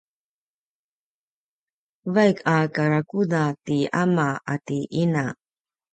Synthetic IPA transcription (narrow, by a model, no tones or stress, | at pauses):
vajkʰakaɾakudatiamaʔatiʔina